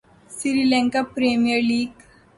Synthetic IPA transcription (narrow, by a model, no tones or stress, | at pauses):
siɾilɛ̃ŋkapɾemijəɾliːɡ